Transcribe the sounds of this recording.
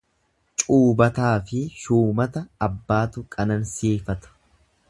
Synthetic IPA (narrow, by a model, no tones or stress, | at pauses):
t͡ʃʼuːbɐt̪aːfɪʃuːmɐt̪ɐːbːaːt̪ʊkʼɐnɐnsiːfɐt̪ɐ̥